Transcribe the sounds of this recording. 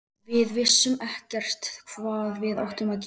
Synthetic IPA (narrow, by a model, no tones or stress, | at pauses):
vɪðvɪsːʏmɛhcɛr̥t̪kʰvaːðvɪða̰wht̪ʏmaðc